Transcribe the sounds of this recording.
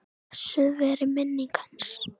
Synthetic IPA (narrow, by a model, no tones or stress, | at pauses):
sʏvɛɾɪmɛnːɪkʰans